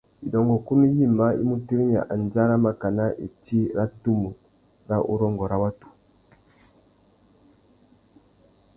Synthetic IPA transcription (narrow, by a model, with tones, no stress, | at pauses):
i˨dɔ˨ŋɡɔ˨ku˦nu˦ji˦˨mba˦ḭ˦mu˦ti˦ɾi˦ɲ˨a̰˨ʔa˨n˨d͡ʒa˦ɾa˦ma˨ka˨na˦ʔḛ˨ti˦ɾa˦tu˦mu˨ | ɾa˦ʔṵ˦ɾɔ˦ŋɡɔ˨ɾa˦wa˦tu̥˨